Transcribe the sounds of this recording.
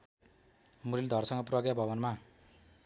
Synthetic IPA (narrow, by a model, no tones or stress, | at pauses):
muɾild̪ʱʌrsʌŋɡʌprʌɡjabʱʌbʌnma